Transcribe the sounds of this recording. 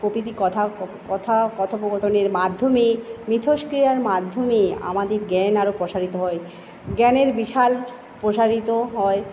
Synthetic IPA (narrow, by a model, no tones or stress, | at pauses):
popit̪̬ikɔt̪ʰakɔt̪ʰakɔt̪ʰopoboɾt̪oneɾmad̪ʱːomemɾit̪ʰoʃkɾijaɾmad̪ʱːomea̰mad̪eɾɡɛnaɾopɾoʃaɾit̪oɦɔe | ɡɛneɾbiʃal | pɾoʃaɾit̪oɦɔe